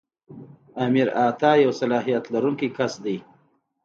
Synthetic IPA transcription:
amiɾɑt̪ɑjawsalɑɦijat̪laɾuŋkikasd̪ij

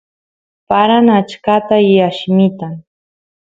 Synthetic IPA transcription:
paɾanat͡ʃkat̪ajaʃmɪt̪aŋ

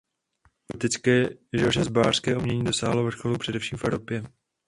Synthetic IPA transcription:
t̪ɪt͡skɛːʒɛlrɛzbaːr̥skɛːʔumɲɛɲiːdo̞sa̰ːɦlovr̩ʃxolupr̥ɛdɛfʃiːmfɛvɾopjɛ

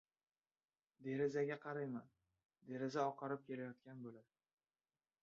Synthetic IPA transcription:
d̪e̞ɾɪzaɡʲaqʰɑɾajman | d̪e̞ɾɪzaɒqʰɑɾɪp̚kʲʰe̞lajɒt̪̚kʲanbolad̪

